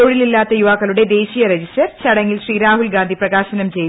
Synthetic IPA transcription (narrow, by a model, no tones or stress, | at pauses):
oːɻililːaːt̪ːɐjuʋaːkːɐluɽe̞d̪e̞ːɕijɐɾed͡ʑistɐrt͡ɕɐɽɐŋːilɕriːɾaːɦulɡaːnd̪iprɐɣaːɕɐnɐmt͡ɕe̞jt̪